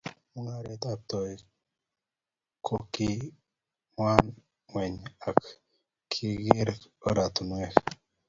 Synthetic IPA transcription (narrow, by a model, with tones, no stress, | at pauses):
mu˦ŋa˨ɾe˨t̪a˦p̚t̪ɔ˨j | kʰo˨ki˦ | wa˦n | wɛ˨ɲa˨k | kʰi˦ɡɪ˦ɾo˦ɾa˨t̪u˨nwɛ˦k